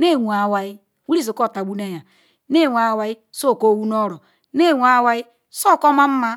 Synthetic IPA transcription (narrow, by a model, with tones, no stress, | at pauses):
ne˦˨wʷu˨a˨wa˨i˦ | wu˦ɾi˦s̬o˨ko˦˨ta˨ɡ͡bu˦ne˦ja˨ | ne˦˨wʷa˨wa˨i˦so˦˨ko˦˨wu˦no˦ɾɔ˨ | ne˦˨wʷa˨wa˨i˦ | so˦˨kɔ˦ma˦m̩˦ma˦